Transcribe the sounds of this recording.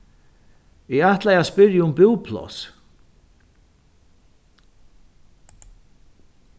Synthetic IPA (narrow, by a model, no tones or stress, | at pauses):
ɪaht̪lajaspɪɾjəʊmbɪwpʰlɔ̰s